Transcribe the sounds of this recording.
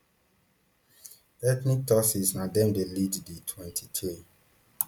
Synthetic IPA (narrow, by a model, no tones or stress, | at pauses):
ɛtnik̚tɔsisnadɛmdelidditʰwɛ̃ntʰitʰɾi